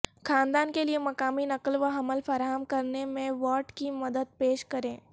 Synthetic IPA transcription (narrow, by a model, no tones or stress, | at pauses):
kʰaːnd̪aːnkeliemɐkaːminɐkəlʋaɦɐməlfɐɾaːɦəmkɐɾnemẽʋɔːʈkimɐd̪əd̪̚peːʃkɐɾẽː